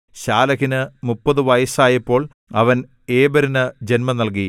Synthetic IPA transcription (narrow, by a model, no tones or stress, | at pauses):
ɕaːlɐɣinɨmupːɐðɨʋɐjɐsaːjɐipːo̞ːɭ | ɐʋɐn | e̞ːbɐɾinɨd͡ʑe̞nmɐnɐlk̬i